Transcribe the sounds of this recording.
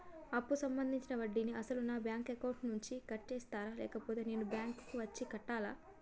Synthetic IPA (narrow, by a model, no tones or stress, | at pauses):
ɐpːusɐmbɐnd̪ʱiɲt͡ʃinɐʋɐɖːiniʔɐsɐlunaːbjaːŋkekɐwɳʈnuɲt͡ʃikɐʈːt͡ʃeːst̪aːɾaːlɛ̰ːkɐpoːt̪e̞ːne̞ːnubjaːŋkkuʋɐt͡ʃːikɐʈːaːlaː